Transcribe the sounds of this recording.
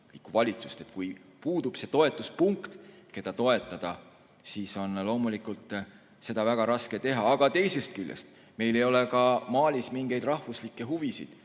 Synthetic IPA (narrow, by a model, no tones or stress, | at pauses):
likːuvɑlʲit̪su̥st̪e̞t̪kujpuːd̪̥ub̥se̞t̪o̞e̞t̪ˑːuspuŋkt̪ke̞d̪̥ɑt̪o̞e̞t̪ˑːɑd̪̥ɑ | siːso̞nlo̞ːmulikult̪ˑ | se̞d̪̥ɑvæɡ̥ɑɾɑske̞t̪e̞ɦɑːɡ̥ɑt̪e̞jse̞st̪̚kylʲjḛst̪ | me̞jle̞jo̞le̞kɑmɑːlʲismiŋɡe̞jd̪rɑhvuslikːˑe̞ɦuvisḭd̪̥